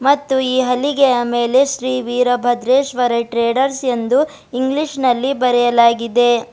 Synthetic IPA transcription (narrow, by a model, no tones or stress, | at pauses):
mɐt̪ːuiːɦɐliɡɛjɐmeːle̞ʃɾiːʋiːɾɐbʱɐd̪ɾeːʃʋɐɾɐʈɾeːɖɐɾse̞nd̪u | iŋɡliʃnɐlːibɐɾɛjɐlaːɡid̪e̞